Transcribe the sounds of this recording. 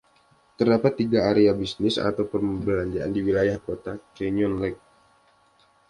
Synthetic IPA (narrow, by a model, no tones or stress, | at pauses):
t̪ərdapat̪ːiɡaːɾeabisnɪsa̰t̪awpərbəlaɲd͡ʒaʔandiwilajahkot̪akɛniɔnlɛk̚